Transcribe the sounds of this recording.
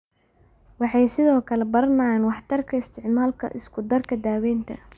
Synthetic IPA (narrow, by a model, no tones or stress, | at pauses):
wɑħɑjsɪðɔːkʰɐlɛbɐrnaːnwɑħt̪ʰɐrkʰɐɪst̪ʰɪʕmaːlkʰɐ̰ʔɪskʰʊd̪ɐrkʰɐd̪aːwɛːnt̪ʰɐ